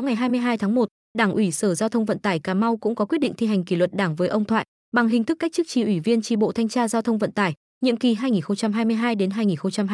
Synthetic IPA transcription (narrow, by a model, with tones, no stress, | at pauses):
ŋa˨˩jɦaː˧jmɨ˧əjɦaː˧jt̪ʰaː˨˦ŋmo˨˩t̚ | ɗaː˧˩ŋʔwi˧˩səː˧˩zaː˧t̪ʰə˧wŋ͡mvə̰˧˨nt̪aː˧˩jkaː˨˩ma˧wkʊ̰˧˥ŋ͡mkɔ˨˦kwi˦˥t̚ɗḭ˧˨ŋt̪i˧ɦa˨˩jŋ̟ki˧˩lwə˨˩t̚ɗaː˧˩ŋvəː˨˦jʔə˧wŋ͡mt̪ʰwa̰ː˧˨j | ɓa˨˩ŋɦï˨˩ŋ̟t̪ʰɨ˦˥kːa˦˥k̚t͡ɕɨ˦˥k̚t͡ɕi˧˩ʔwi˧˩vi˧ənt͡ɕi˧˩ɓo̰˧˨t̪ʰa˧jŋt͡ɕaː˧zaː˧wt̪ʰə˧wŋ͡mvə̰˧˨nt̪aː˧˩j | ɲḭ˧˨əmki˨˩ɦaː˧jŋi˨˩nxə˧wŋ͡mt͡ɕa˧mɦaː˧jmɨ˧əjɦaː˧jɗe˨˦nɦaː˧jŋi˨˩nxə˧ŋ͡mt͡ɕa˧m˧